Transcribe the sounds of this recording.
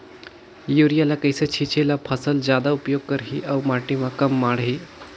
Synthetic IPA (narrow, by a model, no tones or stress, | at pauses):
juɾijalakəjsət͡ɕʰit͡ɕʰelapʰəsəld͡ʑjad̪aupjoɡ̚kəɾɦiʔawmaʈĩʋakəmːaɽɦiː